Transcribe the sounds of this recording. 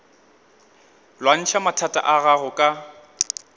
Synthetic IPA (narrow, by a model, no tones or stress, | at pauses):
lwan̩t͡ʃʰamatʰatʼa̰ʔaɣaɣʊkʼa